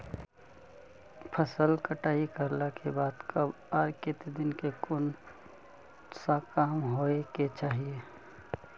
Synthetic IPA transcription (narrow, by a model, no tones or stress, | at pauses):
pʰəsəlkəʈaːikəɾlakʰebaːd̪kəb | aːɾket̪ed̪ɪnkekʊn | sakaːmɦoːeket͡ʃaːɦie